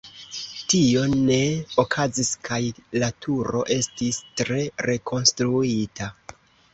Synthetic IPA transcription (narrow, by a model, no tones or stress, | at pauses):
tio̞ne̞okʰaziskʰajlatʰuɾo̞̰ʔe̞stistɾe̞ɾe̞kʰo̞nstɾuita